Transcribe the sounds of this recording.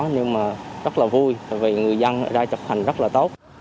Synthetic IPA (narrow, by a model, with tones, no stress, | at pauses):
ɲɨ˧ŋmaː˨˩zə˦˥t̚laː˨˩vu˧ja˨˩jvi˨˩ŋɨ˨˩əjzə˧n˧˦zaː˧t͡ɕə˨˩k͡p̚t̪ʰa˨˩ŋ̟zə˦˥laː˨˩t̪o˦˥t̚